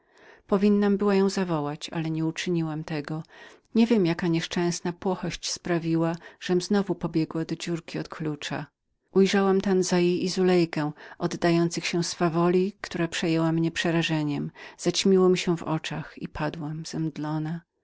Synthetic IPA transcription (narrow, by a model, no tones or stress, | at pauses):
pɔvʲinːambɘwajɔ̃w̃zavɔwat͡ɕa̰lɛɲɛut͡ʂɘɲiwamt̪ɛɡɔɲɛvʲjɛmjakaɲɛʂt͡ʂɛ̃w̃snapwɔxɔɕt͡ɕspɾavʲiwaʐ̥ɛmznɔvupɔbʲjɛɡwad̪ɔd͡ʑuɾkʲiɔt̪kʰlut͡ʂa̰ | ʔujʐawamt̪anzajejizulɛjkɛ̃ʔɔd̪ːajɔnt̪sɘxɕɛ̃sfavɔlʲikt̪uɾapʂɛjɛwamɲɛpʂɛɾaʐɛɲɛmz̥at͡ɕmʲiwɔmʲiɕɛvɔ̰t͡ʂaxḭpʰad̪wamz̥ɛmd̪lɔna